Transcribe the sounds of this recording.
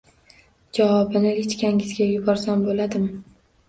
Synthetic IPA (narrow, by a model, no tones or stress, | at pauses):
d͡ʒavɒbɪnɪlet͡ʃkʲʰaŋɪzɡʲajʊbɒɾsanbolad̪ɪm